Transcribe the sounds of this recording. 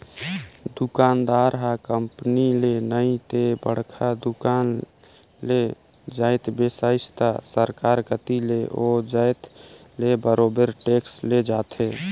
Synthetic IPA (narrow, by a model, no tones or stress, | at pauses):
d̪ukaːnd̪aɾɦakəmpnilenəĩt̪ebə̰ɽ̤kʰad̪ukan | le | d͡ʒəɪt̪besaɪst̪asəɾkaɾkət̪ileʔod͡ʒəɪt̪ | lebəɾoːbəɾʈeksled͡ʒaːt̪ʰe